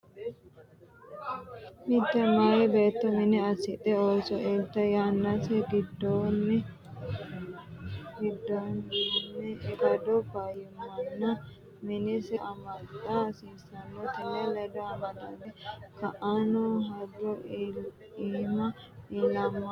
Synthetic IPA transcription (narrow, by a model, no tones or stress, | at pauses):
mɪd̪ːɛmajɛbeːt̪ːɔmɪnɪɐsɪt̪ʼɛoːsɔʔeːlt̪ɐjanːɐsɛɡɪd̪ːoːnːɛ | ɡɪd̪ːoːnnːɛɾɐd̪ɔbajɪmɐnːɐ | mɪnɪsɛʔɐmɐd̪asiːsɐnːot̪ɪnːɛlɐd̪ɔɐmɐd̪ad̪ɛkɐʔɐnɔɦɐdɔ | iːmɐ | ɪlɐmːa